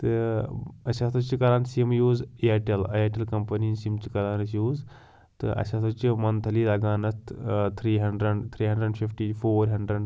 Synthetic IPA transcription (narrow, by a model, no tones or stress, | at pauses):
t̪ɨ | ɐsat̪ʰɐt͡ʃikɐlaːnsimjuːzijaːʈelɐjaːʈelkɐmpɐniːnsimt͡ʃikɐlaːnɐsjuːz | t̪ɨʔɐ̰sʲɐt̪ʰɐt͡ʃimɐnt̪ʰɐliːlɐɡaːnɐst̪ʰt̪ʰɾiːɦɐɳɖɾɐɖt̪ʰɾiːɦɐ̃ɳɖɾəɖfifʈifʰoːɾɦɐɳɖɾɐɖ